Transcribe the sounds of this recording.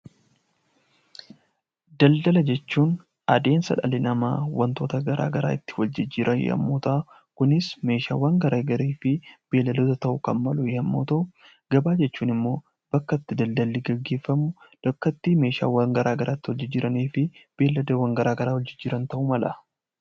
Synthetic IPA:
d̪ɐld̪ɐlɐd͡ʒɛt͡ʃːuːn | ʔɐd̪e̞ːnsɐ̰ᶑɐ̰lɪnɐma̰ːwɐnt̪o̞ːt̪ɐɡɐɾʔa̰ːɡɐɾa̰ːɪt̪ːɪ̥wɐld͡ʒɪd͡ʒːɪɾʔɐjɛ̰ɐ̰mːoːt̪ɐʔ | kʊnɪsme̞ːʃa̰ːwaːŋɡɐɾaːɡɐɾeːfɪb̥e̞ːlːɐd̪oːt̪ɐt̪ɐʔʊkɐnmɐlʊjɐmːo̰ːt̪ɐʔʊ | ɡ̥ɐbaːd͡ʒɛt͡ʃːuːnɪmːo̞ː | b̥ɐkːɐt̪ːɪd̪ɐld̪ɐlːɪɡɐɡːe̞ːfːɐmʊd̪̥ɐkːɐt̪ːime̞ːʃa̰ːwɐŋɡɐɾʔaːɡɐɾʔaːt̪ːɪwɔld͡ʒɪd͡ʒːɪɾɐniːfɪb̥e̞ːlːɐd̪ɐwɐŋɡɐɾaːɡɐɾaːwɐd͡ʒɪd͡ʒɪɾɐnt̪ɐʔʊmɐlɐ

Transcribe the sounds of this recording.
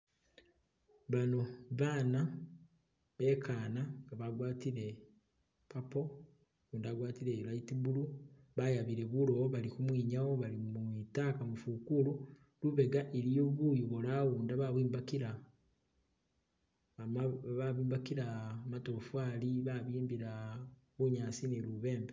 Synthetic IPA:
βano̞βaːna | βe̞kʰaːnaŋɡaβaɡwaːtiɾe̞ | papo̞ | uːndaɡwaːtiɾe̞lajitiβulu | βajaβiɾe̞βulo̞βalikumwiːɲawo̞βalimuitakamufukulu | luβe̞ɡaʔeɾioβujuβolaɣuːndaβaβwiːmbakiɾa | βaβiːmbakiɾamatofwaːliβaβiːmbiɾa | βuɲaːsineluβe̞ːmbe

